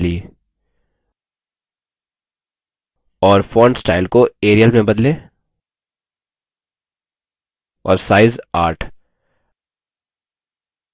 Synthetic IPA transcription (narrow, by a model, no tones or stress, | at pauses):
li | ɔːɾfɔːɳɖsʈaːɪlkoeːɾijəlmẽbɐd̪lẽː | ɔ̰ːɾsaːɪzaːɾʈʰ